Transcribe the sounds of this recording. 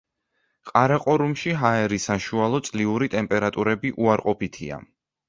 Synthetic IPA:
qʼaɾaqʼɔɾumʃiɦaɛɾisaʃualˠɔt̪sʼliuɾit̪ʼɛmpʼɛɾat̪ʼuɾɛbiʔuaɾqʼɔpit̪ʰḭa̰

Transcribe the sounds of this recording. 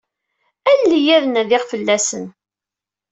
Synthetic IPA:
ænlijæðənæðɪʁfəlːæsən

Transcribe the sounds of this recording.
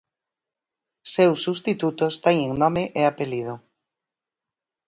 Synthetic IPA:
sewsːust̪it̪ut̪ost̪ɛŋeŋnɔmɪʔeapelið̞o

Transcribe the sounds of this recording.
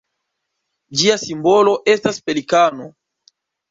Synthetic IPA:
d͡ʒiasimbo̞lo̞ʔe̞staspe̞likano̞

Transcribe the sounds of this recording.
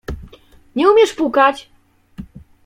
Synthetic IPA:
ɲɛumʲjɛʂpukat͡ɕ

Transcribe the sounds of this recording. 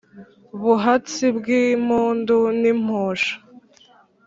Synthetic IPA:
βuɦat͡sibɡim̥uːndunim̥hoːʃḁ

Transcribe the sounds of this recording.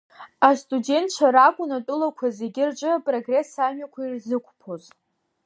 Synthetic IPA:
astʼude̞ntʰt͡ʃʷʰaɾakʷʼʊnatʼʊlakʷʰazeɡʲɪrʈ͡ʂʼɨapʼro̞ɡre̞samɥakʷʰairzɨkʷʼpʰo̞z

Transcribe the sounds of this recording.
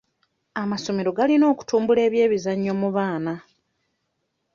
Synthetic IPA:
amaso̞meɾo̞ɡalino̞ːku̥tuːmbule̞ːβje̞ːβizaɲːo̞muβaːna

